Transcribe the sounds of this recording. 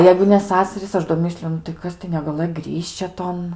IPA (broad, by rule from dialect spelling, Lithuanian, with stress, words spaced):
ˈjɛɪɡʊ nʲɛ ˈsɑːsɐrʲiːs ˈɐʃ doː ˈmʲɪsʲlʲʊ nʊ tɐɪ ˈkɐs tɐɪ nʲɛɡɐˈlˠɘj ˈɡrʲɪʃʲt͡ʃʲɛ ˈtoːn